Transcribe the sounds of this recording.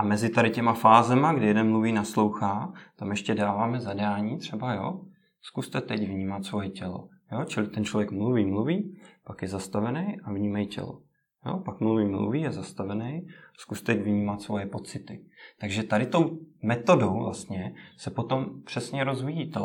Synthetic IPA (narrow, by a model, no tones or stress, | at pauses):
ʔamɛzɪt̪aɾɪcɛmafaːzɛmaɡdɪjɛdɛnmluviːnaslo̞wxaːt̪amjɛʃcɛdaːvaːmɛzadaːɲiːt̪r̝̥ɛbajo̞̰ː | skust̪ɛt̪ɛcvɲiːmat̪svo̞jɛcɛlo̰ | joːt͡ʃɪlɪt̪ɛnt͡ʃlo̞vjɛkmluviːmluviːpakjɛzast̪avɛnɛjʔavɲiːmajicɛ̰lo̰ | jo̰ːpakmluviːmlṵviːjɛzast̪avɛnɛjskust̪ɛcvɲiːmat̪svo̞jɛpo̞t͡sɪt̪ɪt̪aɡʒɛt̪adɪt̪o̞wmɛt̪o̞do̞wvla̰st̪ɲɛsɛpo̞t̪o̞mpr̝̥ɛsɲɛɾo̞zvijiːt̪ɛ